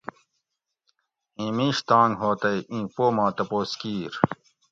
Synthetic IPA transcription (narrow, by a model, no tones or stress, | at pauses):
ĩːmĩːɕt̪ãːnɦoːt̪ɐjʔĩːpoːmãːt̪ɐpoːskiːɾ